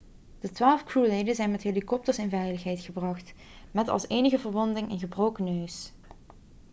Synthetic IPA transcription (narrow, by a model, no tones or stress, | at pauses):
d̥ətʋaːlˠfkruːlejdəzɛjnmɛtɦelikɔp̚təɹsɪnvɛjləxɦɛjtχəbrɑχt | mɛtɑ̰lˠseːnəɣəvəɹʋɔndɪŋɪnɣəbrowkənøɥs